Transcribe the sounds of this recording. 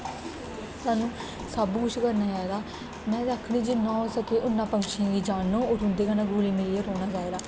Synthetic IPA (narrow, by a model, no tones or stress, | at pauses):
t̪aːnũː | sabuːkʊt͡ʃʰkəɾnãːd͡ʒaːed̪aː | mɛ̃ːd̪aːkʰñiːd͡ʒɪnːãːɦoːsəkeːʔʊnːãːpəŋɡʃĩãɡiːd͡ʒaːnːõːoːɾɦʊnd̪eːɡaːnãːɡʱuːliːmɪlːeɾoːñaːd͡ʒaːeːd̪aː